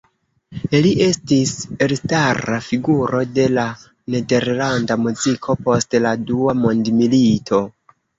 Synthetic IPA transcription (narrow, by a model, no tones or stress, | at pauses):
eliʔe̞stise̞lstarafiɡuɾo̞de̞la | ne̞de̞ɾlandamuzikʰo̞po̞stladuamondmilitʰo̞